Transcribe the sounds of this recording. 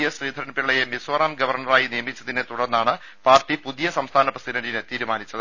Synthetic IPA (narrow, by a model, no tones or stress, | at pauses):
jɐsriːd̪ʱɐɾɐnɐpiɭːɐjemisʋɐraːmɡɐʋɐrɳɐraːjinijɐmit͡ɕːɐðinet̪uɽɐrnːaːɳɨ | paːrʈːipuðijɐsɐmst̪ʰaːnɐprɐsidɐnɖinɨt̪iːɾumaːnit͡ɕːɐðɨ